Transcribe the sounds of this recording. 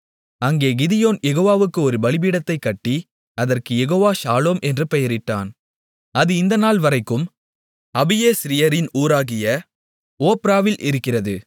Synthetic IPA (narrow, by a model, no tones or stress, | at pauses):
ɐŋɡeːɡɪðɪjoːnjɛɣoːʋaːʋɯkːɯɔɾɯbɐɭɪb̬iːɽɐt̪ːɐɪkːɐʈːi | ɐðɐrkɯjɛɣoːʋaːʃaːloːmɛndrɯpɛjɐɾɪʈːa̰ːn | ɐðɯɪnd̪ɐnaːlʋɐɾɐɪkːɯm | ɐbɪjeːsɾɪjɐɾɪnuːɾaːɣɪjɐ | oːpɪɾaːʋɪlʔɪ̰ɾɯkːɪrɐðɯ